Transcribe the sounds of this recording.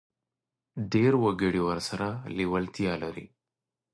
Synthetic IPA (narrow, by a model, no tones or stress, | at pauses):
ɖeːɾwɐɡɐɽiwɐɾsɐɾaːliwɐlt̪ijaːlɐɾḭ